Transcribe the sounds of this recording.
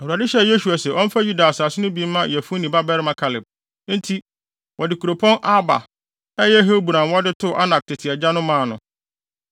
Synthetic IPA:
ɛ˨hu˨a˨dɪ˦ɕɛ˦je˦su˨a˨sɛ˨ʔɔ̃˦m̩˦fa˦ju˦da˨a˨sa˨sɪ˦nʊ̃˦bi˦mã˦jɛ˨fʊ̃˦nĩ˨ba˦bɛ˦ɾɪ˦mã˦kʰa˨lɪ˨b̚ | n̩˦tʰi˦ | wʔɔ˨dɪ˨kʰu˨ɾo˨pʰɔ̃˦nʔa˦ba̰˨ | ɛ˦jɛ˦ɦe˦bu˨ɾã˨nwɔ˦dɪ˦tʰʊ˦ʔa˦na˨k̚tʰɪ˨tʰɪ˨ɛ˨d͡ʑa˦nʊ̃˦mãː˦˨nʊ̃˨

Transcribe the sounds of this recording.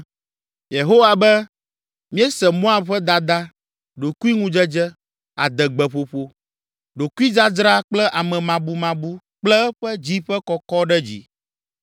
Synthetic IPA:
je˨ɦo˦wa˨bɛ˦ | mĩ˦ɛ˦sɛ˨mõ˦a˨ɸɛ˦d̪a˨d̪a˦ | ɖo˨ku˦i˦ŋũ˦d͡ʒɛ˦d͡ʒɛ˦ | a̰˨d̪ɛ˨ɡ͡bɛ˨ɸo˨ɸo˦ | ɖo˨ku˦i˦d͡ʒa˦d͡ʒɾa˦k͡plɛ˦ʔa˨mɛ̃˨mã˨bu˦mã˨bu˦ | k͡plɛ˦ɸɛ˦d͡ʑi˦ɸɛ˦kɔ˦kɔ˦ɖɛ˦d͡ʑḭ˦

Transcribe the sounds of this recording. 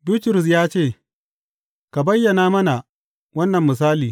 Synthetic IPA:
biː˦tʊ˨ɾʊ˨s̬jaː˦t͡ʃeː˦˨ | ka˨bɐ˦jːɐ˨naː˦mɐ˦na˨ | wɐ˦nːɐ˨mːɪ˨s̬aː˦liː˨

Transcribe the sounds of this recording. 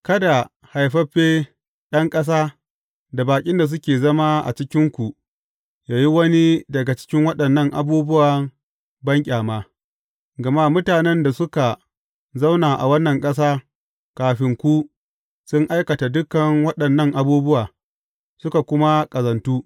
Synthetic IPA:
kɐ˦da˨ | ha˨jɸɐ˦ɸeː˦ | ɗɐ˦ŋkʼɐ˦s̬aː˦ | da˨baː˨kʲʼɪ˦nda˨s̬ʊ˦kʲeː˨zɐ˦ma˦ʔa̰˨t͡ʃɪ˦kʲɪ˦ŋkʷu˨ʔ | jaː˨ji˦wɐ˦ni˦dɐ˨ɡa˨t͡ʃɪ̥˦kʲɪ˦ŋwɐ˦ɗɐ˨nːɐ˦˨ŋʔa̰˨buː˦bʊ˦waː˨ | bɐ˦ŋkʲʼaː˨maː˦ | ɡɐ˨ma˦mʊ˦taː˨nɛ˦nda˨sʊ˦ka˨ | za˦wnaː˨ʔa̰˨wɐ˦nːɐ˨ŋkʼɐ˦s̬aː˦ | kaː˨ɸɪ˨ŋkʷu˦ | sʊ˦ŋʔa˦jkɐ˨ta˨dʊ˦kːɐ˨ŋwɐ˦ɗɐ˨nːɐ˦ŋʔa˨buː˦bʊ˦waː˨ | sʊ˦ka˨kʷʊ˦ma˦kʼɐ˨zɐ˨ntuː˦

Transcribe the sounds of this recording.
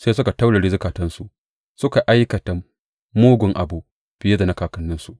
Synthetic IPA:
seː˦s̬ʊ˦ka˨ta˦wɽɐ˨ɽi˦zɪ˦kaː˨tɐ˦nsu˨ʔ | sʊ˦ka˨ʔa˦jkɐ˨ta˨ | moː˦ɡʷʊ˨ŋʔa̰˨buː˦ʔ | ɸɪ˨je˦da˨nɐ˦kaː˨kɐ˦nːɪ˦nsu˦ʔ

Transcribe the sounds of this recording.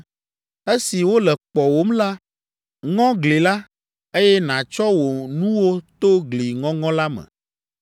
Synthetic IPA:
e˦si˨wo˦lɛ˨k͡pɔ˨wo˦mla˦ | ŋɔ̃˦ɡle˨la˦ | e˦jɛ˦nã˨t͡ʃɔ˦wo˨nũ˦wo˦t̪o˦ɡli˨ŋɔ̃˦ŋɔ̃˦la˦mɛ̰̃˨

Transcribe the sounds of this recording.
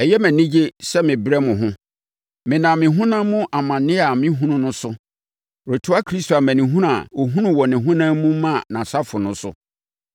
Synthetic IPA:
ɛ˨jɛ˦mæ̃˨nĩ˦d͡ʑe˦sɛ˦mɪ̃˨bɾɛ˦mʊ̃˨ɦʊ̃˦ | mɪ̃˨nã˨mɪ̃˨ɦũ˦nã˦mʊ̃˦ʔa˨mã˨nɪ̃˦a˨mɪ̃˦ɦũ˦nʊ̃˦nʊ̃˦sʊ˦ | ɾo˨tʰʊ˦a˦kʰɾi˦sto˨a˨mæ̃˨nĩ˨ɦũ˦ɾa̰˨wo˨ɦũ˦nʊ̃˦wɔ˨nɪ̃˨ɦũ˦nã˦mũ˦mã˦˨nã˨sa˦fʊ˨nʊ̃˦sʊ̰˦

